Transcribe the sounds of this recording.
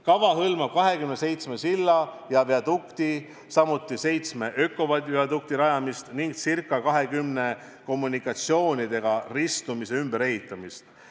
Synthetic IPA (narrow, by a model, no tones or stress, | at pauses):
kɑvɑɦɤlmɑb̥̚kɑɦe̞kymnese̞jt̪sme̞silːɑ | jɑveɑd̪ukt̪i | sɑmut̪ːˑise̞jt̪smeʔøkːˑo̞vɑd̪ʲɑd̪uk̚t̪iɾɑjɑmist̪niŋɡsirkːˑɑkɑɦe̞kymne̞ | ko̞mːunikːˑɑt̪sio̞ːnʲid̪e̞ɡ̥ɑrist̪umise̞ymbe̞ɾe̞ɦit̪ˑːɑmist̪